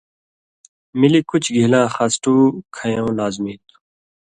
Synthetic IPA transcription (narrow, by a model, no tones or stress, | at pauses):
milikʊt͡ɕʰɡʱilãːxaːsʈuːkʰɐjõːlaːzmiːt̪u̥